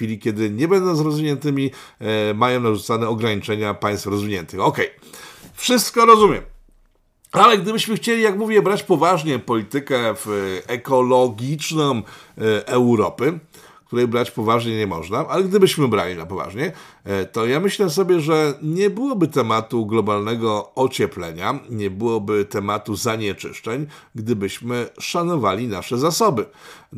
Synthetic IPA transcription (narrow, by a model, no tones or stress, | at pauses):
fʲilʲikʲɛd̪ɘɲɛbɛnd̪ɔ̃w̃zɾɔzvʲiɲɛnt̪ɘmʲi | majɔ̃w̃naʐut̪sanɛɔɡɾaɲit͡ʂɛɲapaj̃st̪fɾɔzvʲiɲɛ̰nt̪ɘxɔkɛjfʂɘst̪kɔɾɔzumʲjɛ̰m | alɛɡ̚d̪ɘbɘɕmɘxt͡ɕelʲijakmuvʲjɛbɾat͡ɕpɔvaʐɲɛpɔlʲit̪ɘkɛfɛkɔlɔɡʲit͡ʂnɔ̃m̃ʔɛwɾɔ̰pɘ | k̚t̪uɾɛjbɾat͡ɕpɔvaʐɲɛɲɛmɔ̰ʐnaʔalɛɡd̪ɘbɘɕmɘbɾa̰lʲinapɔva̰ʐɲɛ | t̪ɔjamɘɕlɛs̬ɔbʲjɛʐɛɲɛbɘwɔbɘt̪ɛmat̪uɡlɔbalnɛɡɔɔt͡ɕɛplɛ̰ɲaɲɛbɘwɔbɘt̪ɛmat̪uzaɲɛt͡ʂɘ̰ʂt͡ʂɛɲɡd̪ɘbɘɕmɘʂanɔvalʲinaʂɛzasɔbɘ